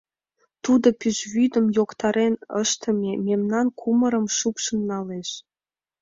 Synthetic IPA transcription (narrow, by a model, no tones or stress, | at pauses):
t̪ud̪opyʒβyd̪ə̆mjokt̪ɑɾenə̰ʃt̪ə̆mʲememnɑnkʰuməɾəmʃupʃənːɑleʃ